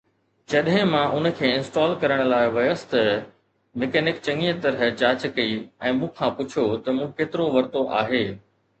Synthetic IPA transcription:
d͡ʑɐɗɦɪ̃mãʔʊn̆kʰeːɪ̃nsʈɔːlkɐɾəɽ̃̆laːɪʋɐjəsɪ̥t̪ɐ | mɪkɛːnɪk̚t͡ɕɐ̃ŋiə̃t̪ɐɾəɦt͡ɕaːt͡ɕkɐiɛ̃ːmũːkʰãpʊt͡ɕʰijot̪ɐmũːkeːt̪ɪɾoʋɐɾt̪oʔa̰ːɦeː

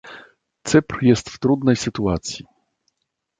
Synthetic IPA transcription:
t̪sɘpɾjɛst̪ft̪ɾud̪nɛjsɘt̪uat̪sʲji

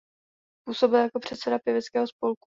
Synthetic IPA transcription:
puːso̞bɪljako̞pr̝̥ɛt̪sɛdapjɛvɛt͡skɛːɦo̞spo̞lku̥

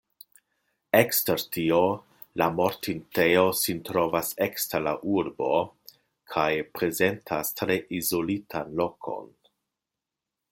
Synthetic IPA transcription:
eksteɾtio | lamo̞ɾtinteo̞sintɾo̞vaseksteɾla̰ʔuɾbo̞ | kʰajpɾe̞ze̞ntʰastɾe̞ʔizo̞litʰanlo̞kʰo̞̰n

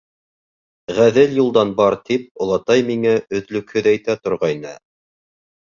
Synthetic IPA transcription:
ʁæðɘljulˠd̪ɑnbɑɾt̪ip̚ŏlˠɑt̪ɑjmiŋæɵ̆ðlɵ̆khɵðæjt̪æt̪ŏɾʁɑjnɤ̰

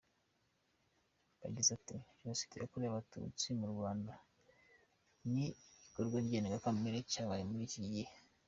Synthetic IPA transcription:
ba̰ɟizati | osi̥tija̰kuɾiaβatṵt͡simuɾɡwaːnda | niikoɾɡwaβɟeneɡakameɾecaβajemuɾiciɟihe

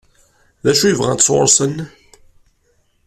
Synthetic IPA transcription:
ðæʃujəvʁæ̰nt͡sːʊ̰ɾˤsˤən

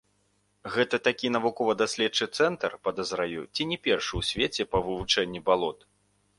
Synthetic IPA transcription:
ɣɛt̪ɐt̪akʲin̪ɐvukɔvɐd̪asʲlʲɛtt͡ʂɨt̪sɛnt̪ɐrpɐd̪ɐzɾajut͡sʲinʲɛpʲɛrʂɨwsʲvʲet͡sʲɛpɐvɨvut͡ʂɛnʲːibalˠɔt̪

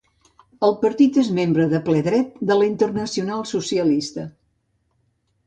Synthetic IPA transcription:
əlˠpəɾt̪it̪ezmembɾəðəplɛðɾɛt̪̚d̪əlint̪ərnəsiunalˠsusiəlist̪ə

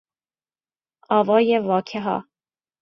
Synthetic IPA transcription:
ɒːvɒːjevɒːkʰeɦɒ̰ː

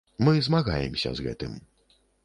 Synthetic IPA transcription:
mɨzmaɣajɛmsʲɐ̰zɣɛ̰t̪ɨm

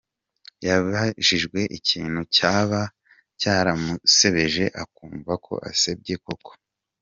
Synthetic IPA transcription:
jaβaʒiʒɡwe̞ʔiciːn̥hucaːβa | caːɾamuse̞βe̞ʒe̞ʔakuːɱvakʰo̞̰ʔa̰seb̚ɟeko̞ko̥

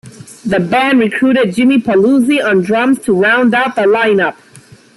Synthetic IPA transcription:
ðəbæ̃nɹɨkʰɹ̥uɾɨd̚d͡ʒɪ̃mipʰəluziə̃ndɹʌ̃mz̥tʰəɹãʊ̃ndaʊt̪̚ðəlãɪ̃nʌp̚

